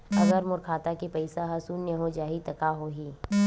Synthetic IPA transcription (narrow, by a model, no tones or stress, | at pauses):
ɐɡəɾmʊɾkʰaːt̪akepɐɪsaɦɐsunjəɦod͡ʒaːit̪ɐkaɦoɦiː